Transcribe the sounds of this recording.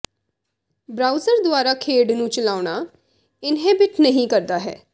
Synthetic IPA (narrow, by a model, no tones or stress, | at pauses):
bɾaːuzəɾd̪ʊaːɾaːkʰeːɖnũːt͡ʃəlaːʊɳaː | ɪnɦeːbɪʈnəɦĩːkəɾd̪aːɦɛ̰ː